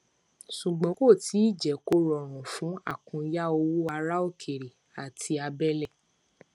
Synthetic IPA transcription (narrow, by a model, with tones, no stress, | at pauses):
ʃu˨ɡ͡bɔ̃˨˦ko˦˨ti˨˦i˦˨d͡ʒɛ˨˦ko˦ɾɔ˨ɾ̃ũ˨fũ˨˦a̰˦˨kũ˧ja˦o˧wu˦a˧ɾa˦o˦˨kʰe˨ɾi˨ | a˨tʰi˧a˧bɛ˦lɛ˦˨